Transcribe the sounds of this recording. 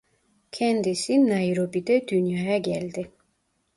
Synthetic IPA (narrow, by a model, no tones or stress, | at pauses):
kʲʰɛnd̪isinːajɾobid̪ɛd̪ynjɑjaɡælʲd̪ɪ